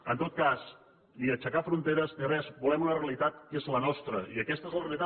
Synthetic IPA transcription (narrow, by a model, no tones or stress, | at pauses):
ənt̪ot̪̚kas | niət͡ʃəkafɾunt̪eɾəzd̪ərɛzbulɛmunəreəlit̪at̪̚kezlənɔst̪ɾəiəkɛst̪əezləreəlit̪a